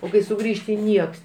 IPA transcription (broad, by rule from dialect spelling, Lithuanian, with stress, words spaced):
oː ˈkɐɪ sʊˈɡrʲiːʃʲtʲɪ ˈnʲiɛks